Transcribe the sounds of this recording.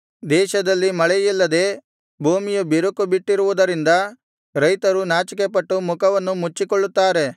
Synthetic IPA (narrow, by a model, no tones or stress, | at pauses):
d̪ɛːʃɐd̪ɐlːimɐɭɛjilːɐd̪eː | bʱuːmijubiɾukːubiʈːiɾuʋud̪ɐɾind̪ɐ | ɾɐjt̪ɐɾunaːt͡ʃik̬epɐʈːumukʰɐʋɐnːumut͡ʃːikoɭːut̪ːaːɾe̞